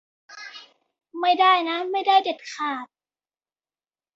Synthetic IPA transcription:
ma˥˩jdaː˥˩jna˦˥ma˥˩jdaː˥˩jde˨˩t̪̚kʰaː˨˩t̪̚

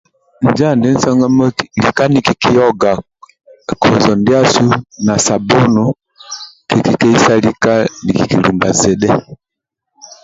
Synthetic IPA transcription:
n˨d͡ʒa˦˨ndɛ˦n̩˦sɔ˦ŋɡa˦mɔ˦˨li˨ka˦ni˨ki˨ki˦ɔ˦ɡa˨ | kʰɔ˨zɔ˨ndja˦su˦na˨sa˨bɔ˦nɔ˨ | kɛ˨ki˦kɛ˦i˦sa˦li˦ka˦ni˨ki˨ki˨lu˨mba̰˨zɛ˨ɗɛ˦

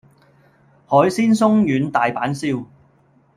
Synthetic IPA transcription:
hɔː˨˥jsiː˥nsʊ˥ŋjyː˨˧nt̪aː˨jpaː˨˥nsiː˥w

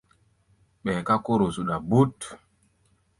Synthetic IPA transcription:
ɓɛ˨ka˦ko˦ɾo˨su˨ɗa˨bu˦t

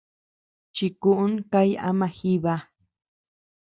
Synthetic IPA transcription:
t͡ʃi˧ku˧ʔu˦ŋka˦ja̰˦mã˧xi˦βa˧

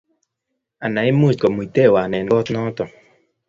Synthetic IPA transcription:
a˨na˨˦i˦mu˦˨skɔ˨mu˨t̪e˦˨waː˨nɛ˨n˨ɔ˦tnɔ˦t̪ɔ˨

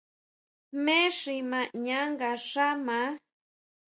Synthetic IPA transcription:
me˦ʂima˨ɲa˦ŋɡa˨ʂa˦ma˧˦

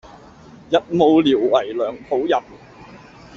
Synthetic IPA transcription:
jɐ˨t̚mo˨˧wliː˨˩wwɐ˨˩jlœː˨ŋpʰo˨˥wjɐ˨p̚

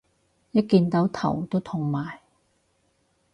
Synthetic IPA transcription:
jɐ˥t̚kiː˧nt̪ɐ˨˥wt̪ʰɐ̰˨˩wt̪o˥wt̪ʰʊ˨˩ŋmaː˨j

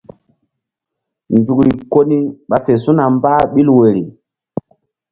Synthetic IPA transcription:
ndu˨kɾi˨ko˦ni˦ɓa˨fe˨su˦na˨mbaː˦ɓi˦lwe˨ɾi˨

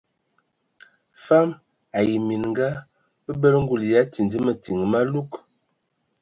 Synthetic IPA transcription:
fa˦m | a˨ji˨mi˨n˨ŋ˦ɡa˦ | bə˦bə˦lŋ˦ɡu˨lja˦ti˨ndi˦mə˨ti˨ŋ˨ma˦lu˦k

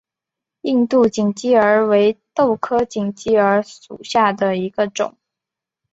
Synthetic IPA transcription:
i˥˧nt̪u˥˩t͡ɕi˨˩ŋt͡ɕi˥ə˞˧˥we˧˥ɪt̪o˥˩ʊkʰɤ˥t͡ɕi˨˩ŋt͡ɕi˥ə˞˧˥ʂṵ˨˩ɕja˥˩d̪ə˩i˧˥ɡə˧ʈ͡ʂʊ̰˨˩˦ŋ

